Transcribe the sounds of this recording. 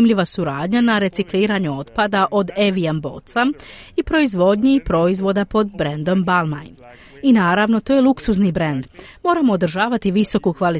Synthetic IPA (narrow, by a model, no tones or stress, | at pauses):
mʎiʋasuɾaːd̪ɲanaɾe̞t̪sikliːɾaɲuo̞t̪pad̪aʔo̞d̪eʋiambo̞̰t̪saipɾo̞izʋo̞d̪ɲipɾo̞izʋo̞d̪apo̞d̪bɾe̞nd̪o̞mbalmajn | inaːɾaʋno̞t̪ojelˠuksuznibɾe̞nd̪mo̞ːɾamo̞ːd̪ɾ̩ʒaːʋat̪iʋiso̞kukʋali